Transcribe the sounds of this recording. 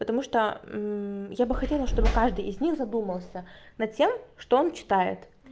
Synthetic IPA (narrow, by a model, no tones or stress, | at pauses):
pət̪ɐmuʂt̪o | jabɨxɐtʲe̞lˠəʂt̪o̞bɨkaʐd̪ɨjɪzʲnʲixzɐd̪uməlˠsʲənɐt̪̚tʲe̞mʂt̪oont͡ɕɪ̥t̪ajɪ̰t̪